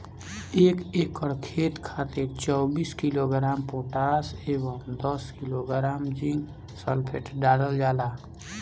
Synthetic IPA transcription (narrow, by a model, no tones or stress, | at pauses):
eːkekːəɾkʰeːt̪kʰat̪et͡ʃɔːbiskiloɡɾaːmpoʈaseːbəmd̪əskiloɡɾaːmd͡ʒĩŋɡ | səlpʰeʈɖaːɽəld͡ʒaːla